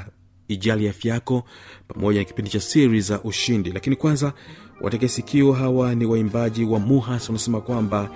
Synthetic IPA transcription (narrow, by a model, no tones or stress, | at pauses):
iʄalijafjakɔpamɔʄanaki̥pindit͡ʃasiɾizaʔuʃindilakinikwanzawʔa̰tɛkɛsikʰiɔɦawaniwaimbaʄiwamuɦaswanasɛmakwamba